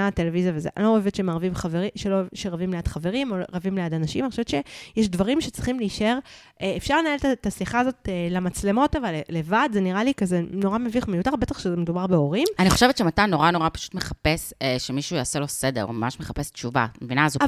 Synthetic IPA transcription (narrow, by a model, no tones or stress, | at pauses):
at̪e̞levizjavezeʔa̰looevetʃemaʁvimχaveʁiʃeloevʃeʁavimlead̥χave̞ʁimoʁavimlejad̪anaʃimanioʃeett͡ʃe̞jɛʃdvaʁimʃet͡sʁiχimleiʃeʁ | eefʃaʁlenaetatasiχaːzo̞telamat͡sle̞mo̞tavalele̞vadzeniʁalikazeno̞ʁameviχmejutaʁbet̪aχʃezemedubaʁbe̞o̞ʁimaniχo̞ʃevet̪ʃematano̞ʁano̞ʁapḁʃu̥tmeχapeseʃemiʃujaːselo̞sedḛʁo̰mamaʃmeχapest͡ʃuva̰mevinazu